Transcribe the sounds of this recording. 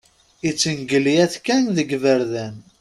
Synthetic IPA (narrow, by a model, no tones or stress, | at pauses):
it͡sːənɡəlijæθkænðəɡvəɾðæn